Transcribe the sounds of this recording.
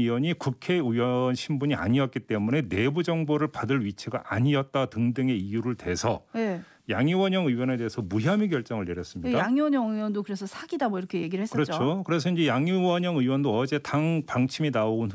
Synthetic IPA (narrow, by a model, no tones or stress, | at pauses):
iwʌɲikukʰe̞ɯwʌnɕʰimbuɲia̰ɲiʌt̚k͈it͈e̞mune̞ne̞bud͡ʑʌŋboɾɯɭpadɯɭɥit͡ɕʰeɡaʔa̰ɲiʌt̚t͈atɯŋdɯŋe̞ijuɾɯɭtwe̞sʰʌ̰je | jaŋuwʌɲʌŋɯiwʌne̞de̞ɦesʰʌmuɦjamiɡjʌɭt͡ɕ͈ʌŋɯɭneɾjʌs͈ɯmɲidajaŋwʌɲʌŋjwʌndokɯɾes̬ʰʌsʰaɡ̥idamoiɾʌkʰejeɡiɾɭheskɯɾʌt͡ɕʰokɯɾe̞s̬ʰʌind͡ʑe̞jaŋuwʌɲʌŋɯiwʌndoʌd͡ʑe̞taŋpaŋt͡ɕʰiminaoɡun